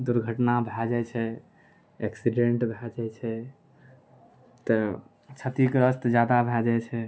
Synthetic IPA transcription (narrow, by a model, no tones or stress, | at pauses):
d̪uɾɡʱəʈnabʱɛd͡ʒɛt͡ʃʰɛ | eksiɖeɳʈbʱɛd͡ʒɛt͡ʃʰɛ | t̪ə | t͡ʃʰət̪ikɾəst̪d͡ʒjad̪abʱɛd͡ʒɛt͡ʃʰɛ